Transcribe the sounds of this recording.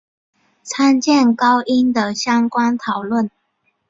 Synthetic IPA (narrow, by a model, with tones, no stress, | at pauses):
t͡sʰa˥nt͡ɕjɛ˥˨nkɑ˦ʊʔi˦˥nd̪ə˨ɕjɑ˥ŋkwa˥nt̪ʰɑ˨˩ʊlwə˥˨n